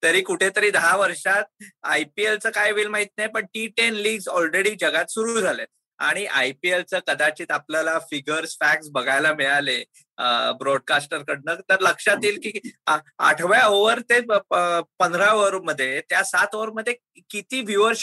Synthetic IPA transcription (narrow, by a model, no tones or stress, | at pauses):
t̪əɾiːkuʈʰet̪əɾiːd̪əɦaʋəɾʂat̪̚ajpielt͡səːkajʋiːlmaɦit̪̚najpəɳʈiːʈenliːɡd͡zɔlɾeɽiːd͡ʑəɡat̪suɾuːd͡zʱale | a̰ɽ̃iʔajpielt͡səkəd̪at͡ɕiːt̪apljalafiɡəɾsfæk̚ʈsbəɡʱajlamiɭale | əbɾɔɖ̚kasʈəɾkəɽnət̪əɾləkʂat̪iːlkiːa̰ʈʰʋjaoʋəɾt̪e | pənd̪ʱɾaoʋəɾməd̪ʱːjet̪jasat̪oʋəɾməd̪ʱːje | kit̪iːʋjuʋəɾ